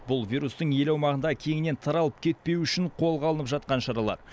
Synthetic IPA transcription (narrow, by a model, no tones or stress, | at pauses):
bʊlˠvʲijɾust̪əɴje̞lɑwmɑʁənd̪ɑkʲʰe̞ŋɪne̞nt̪ʰɑɾɑlˠəp̚kʲʰe̞t̪̚pe̞wʏʃɪɴqʰo̞lˠʁɑlˠənəpʒɑt̪qɑnʃɑɾɑlˠɑ̰ɾ